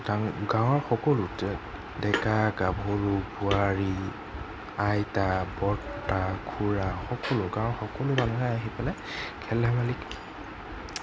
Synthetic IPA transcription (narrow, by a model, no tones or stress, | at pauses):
daɡãwɔɹxɔkɔlʊtɛ | dɛkaɡabʱuɹubʊaɹi | ajtabɔtakʰuɹaxɔkɔlʊɡãwɔɹxɔkɔlʊbananajaɦipalɛ | kʰɛlɛmalik